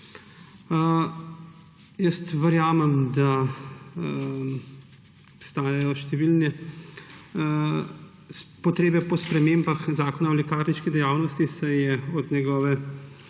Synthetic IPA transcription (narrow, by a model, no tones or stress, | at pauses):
jəst̪ʋəɾjaːmɛmd̪a | ɔpst̪aːjajɔʃt̪ɛʋilnɛ | spɔt̪ɾeːbɛpɔspɾɛmeːmbaxzaːkɔnaɔlɛkaːɾniʃkid̪ɛjaːwnɔst̪isɛjɛɔd̪nɛɡɔːʋɛ